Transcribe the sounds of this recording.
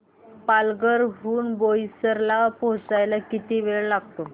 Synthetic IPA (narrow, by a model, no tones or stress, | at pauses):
palɡəɾɦuːnbojsəɾlaposajlakit̪iʋeɭlaɡ̚t̪o